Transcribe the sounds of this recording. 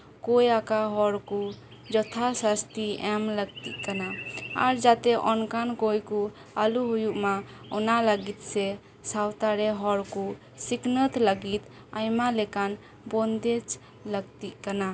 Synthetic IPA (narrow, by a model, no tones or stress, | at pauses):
kojakaɦɔɾku | d͡ʒɔt̪ʰasast̪iɛmləɡ̚t̪ḭʔkanaaɾd͡ʒat̪ɛʔɔnkankojku | aluɦujuʔma | ɔnaləɡit̪̚sɛ | sawt̪aɾɛɦɔɾku | siknət̪ləɡit̪ | ajmalɛkan | bɔnd̪ɛt͡ʃ | ləɡt̪iʔkana